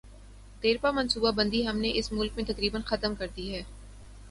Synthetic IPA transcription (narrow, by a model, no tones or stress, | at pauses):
t̪eːɾpamɐnsuːbabɐ̃nd̪iɦɐmneʔɪsmʊlk̚mẽt̪ɐkɾiːbənxɐt̪əmkɐɾd̪iɦɛː